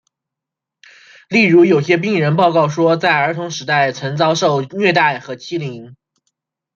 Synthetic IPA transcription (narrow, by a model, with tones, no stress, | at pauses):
li˥˩ɻu˧˥jo˨˩ʊɕjɛ˥p̬i˥˩ŋɻə˧˥npɑ˥˧ʊkɑ˥˩ʊʂwɔ˥t͡sa˥˩ɪə˞˧˥t̪ʰʊ˧˥ŋʂɻ̩˧˥t̪a˥˩ɪt͡sʰə˧˥ŋt͡sɑ˥ʊʂo˥˧ʊnɥɛ˥˧t̪a˥˩ɪxɤ˧˥t͡ɕʰi˥li˧˥ŋ